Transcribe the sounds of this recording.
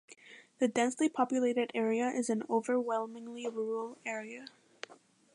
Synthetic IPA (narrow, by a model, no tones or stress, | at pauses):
ðɨdɛ̃nslipʰɑpjɨleɪɾɨɾɛɹiɨʔɪzɨ̃noʊvə˞wɛlˠmɪ̃ŋliɹuɹl̩ˠɛɹiɨ